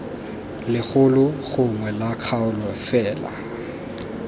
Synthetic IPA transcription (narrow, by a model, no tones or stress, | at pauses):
lɪɣʊlʊɣʊŋwɛlaq͡χʰaʊlɔfɛːla̰